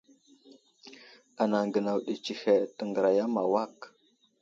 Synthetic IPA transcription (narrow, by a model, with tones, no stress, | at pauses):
a˨na˨ŋɡə˨na˨wɗi˨t͡ʃi˨he˨tə˨ŋɡə˨ɾa˨ja˦ma˨wa˦k